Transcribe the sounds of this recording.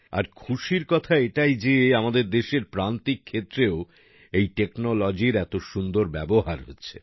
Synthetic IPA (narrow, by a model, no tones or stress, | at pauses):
a̰ɾkʰuʃiɾkɔt̪ʰaeʈajd͡ʑeamad̪eɾd̪eʃeɾpɾant̪ikʰːet̪ːɾeo | ejʈeknolɔd͡ʑiɾɛt̪oʃund̪oɾbɛboɦaɾɦo̰tːɕʰe